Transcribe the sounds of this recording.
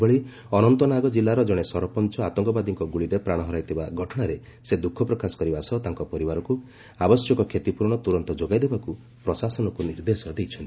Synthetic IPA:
bɔɭi | ɔnɔnt̪ɔnaɡɔd͡ʒilːaɾɔd͡ʒɔɽ̃esɔɾɔpɔnt͡ʃɔat̪ɔŋkɔbad̪iŋkɔɡuɭiɾepɾaɽ̃ɔɦɔɾajt̪ʰibaɡʱɔʈʰɔɽ̃aɾe | sed̪ukʰːɔpɾɔkasɔ̥kɔɾibasɔt̪aŋkɔpɔɾibaɾɔku | abɔsjɔkɔkʰet̪ipuɾɳ̃ɔt̪uɾɔnt̪ɔd͡ʒoɡajd̪ebaku | pɾɔsasɔnɔkuniɾd̪esɔd̪ejt͡ʃʰɔnt̪i

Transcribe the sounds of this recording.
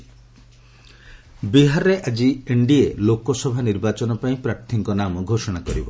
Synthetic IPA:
biɦaɾɔɾeʔad͡ʒieɳɖielokɔsɔbʱaniɾbat͡ʃɔnɔpaĩpɾaɾt̪ʰiŋkɔnamɔɡʱosɔɽ̃akɔɾibɔ

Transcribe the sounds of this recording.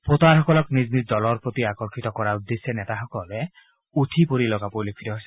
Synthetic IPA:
pot̪aɦɔkɔlɔknid͡ʒnid̪ɔlɔɾpɾot̪iakɔɾkʰit̪ɔkɔɾaud̪ːesjɔnet̪aɦɔkɔle | utʰipoɾilɔkapojlekʰiɾɔɦojsɛ

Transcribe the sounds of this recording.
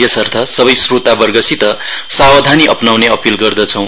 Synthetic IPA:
jesʌrt̪ʰʌsʌbʌjsrut̪abʌrɡʌsit̪ʌsawʌd̪ʱaniʔʌpnawneʌpilɡʌrd̪ʌt͡sʰʌ̃w̃

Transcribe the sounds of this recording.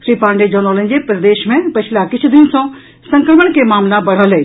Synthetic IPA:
sɾiːpãːɳɖed͡ʑoːnoːlən̆d͡ʑepɾɐd̪eːʃmẽpɐt͡ɕʰɪlakɪt͡ɕʰd̪ɪnsã | sɐ̃ŋkəlməɽkʰemaːmlabɐɽ̤alɐe

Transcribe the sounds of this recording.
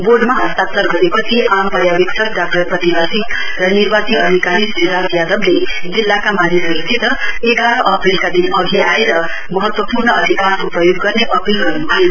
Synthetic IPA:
boɖmaɦʌst̪at̪ʌrɡʌɾepʌt͡sʰiʔampʌɾjabiksʰʌkɖak̚ʈʌrpʌt̪ibasik | rʌnirbat͡siʌd̪ʱikalisniɾad͡zjad̪ʌbled͡zilːakamanisʌɾut̪ʰit̪ʌeɡaɾʌʔʌpilkad̪inʌɡʱiaeɾʌ | mʌɦʌt̪wʌpurnʌʌd̪ʱikasupʌjoɡːʌrneʔʌpilɡʌɾnuaje

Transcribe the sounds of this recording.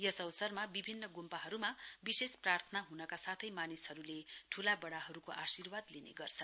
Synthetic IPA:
jʌsʌwsʌrmabibʱinːʌɡumpaɦʌɾumabisesprart̪ʰʌnaɦunʌkasat̪ʰʌjmanishʌɾuleʈʰulabʌɽaɦʌɾukoʔasirwad̪linḛɡʌrt͡sʰʌ

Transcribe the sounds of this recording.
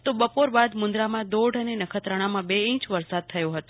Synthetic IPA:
t̪obəpoɾbad̪mʊnd̪ɾamãd̪oɖənenəkʰət̪ɾəɽ̃amãbeĩt͡ʃʋəɾsad̪̚t̪ʰəjõɦət̪o̥

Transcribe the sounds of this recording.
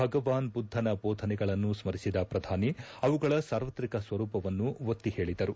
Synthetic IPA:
bʱɐɡɐʋaːnbud̪ʱːɐnɐbɔːd̪ʱɐnɛɡɐɭɐnːusmɐɾisid̪ɐpɾɐd̪ʱaːniɐʋuɡɐɭɐsaːɾʋɐt̪ɾikɐsʋɐɾuːpɐʋɐnːuʋot̪ːihe̞ːɭid̪ɐɾu

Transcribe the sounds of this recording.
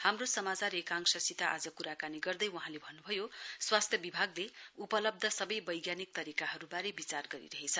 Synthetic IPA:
hamrosʌmat͡saɾekãŋksʌsit̪aʔad͡zʌkuɾakaniɡʌrd̪ʌjwʌɦãlebʱʌnːubʱʌjoswast̪ʰjʌbibʱaɡleupʌlʌb̚d̪ʱʌsʌbʌjbʌjɡjanik̚t̪ʌɾikaɦʌɾubaɾebit͡sarɡʌɾḭɾʌɦet͡sʰʌ

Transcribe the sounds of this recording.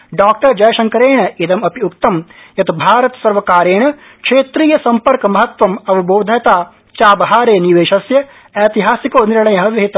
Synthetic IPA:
ɖaːk̚ʈɐɾd͡ʒɐjɐʃɐŋkɐɾeːɳɐid̪ɐmɐpiukt̪ɐm | jɐt̪ʰubʱaːɾɐt̪sɐɾʋɐkaːɾeːɳɐ | kʂeːt̪ɾiːjɐsɐmpɐɾkɐmɐɦɐt̪ʋɐmɐʋiboːd̪ʱɐjɐt̪aː | t͡ʃaːbɐɦaːɾeːniʋeːʃɐsjɐ | eːt̪iɦaːsikoːniɾɳɐjɐɦɐʋɐɦit̪

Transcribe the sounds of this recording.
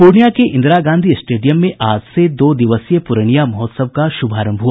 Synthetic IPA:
puːɾɳijakeʔɪ̃nd̪ɾaɡãːnd̪ʱisʈeːɖijəmːẽʔaːd͡ʒsed̪oːd̪ɪʋəsjepʊɾəɳ̃ijamɔːt̪səb̚kaʃʊbʱaːɾə̃mbʱɦua

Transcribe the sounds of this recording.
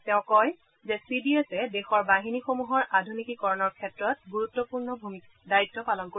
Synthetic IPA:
tɛʊ̃kɔj | zɛsidiesɛdexɔɹbaɦinixomuɦɔɹadʱunikikɔɹɔnɔɹkʰɛtɹɔt̚ɡuɹutːɔpuɹnɔbʱumikadaɹitːɔpalɔnko

